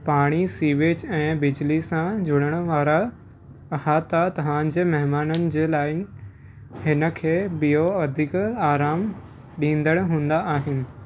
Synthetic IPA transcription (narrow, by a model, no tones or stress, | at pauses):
paːɽ̃isiːʋeːd͡ʑɛ̃ːbɪd͡ʑlisãd͡ʑʱʊɽ̃əɽ̃əʋaːɾa | haːt̪at̪ɐʋ̤ãːd͡ʑeːmɐɦɪmaːnənɪ̆d͡ʑeːlaːɪ̆ | hɪnə̆kʰeːbijoɐd̪ʱɪkaːɾaːm | ɗĩːnd̪əɽ̃ɦũːnd̪aʔaːɦɪnɪ̆